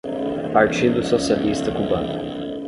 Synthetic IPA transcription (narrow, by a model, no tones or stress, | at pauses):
paɾt͡ʃid̪ʊsosialist̪ɐkubɐ̃nʊ